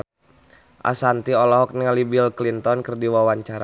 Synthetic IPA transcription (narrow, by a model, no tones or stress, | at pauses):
ʔa̰sant̪iɔlɔɦɔk̚niŋalibilklint̪ɔnkərdiwawaɲt͡ʃaɾa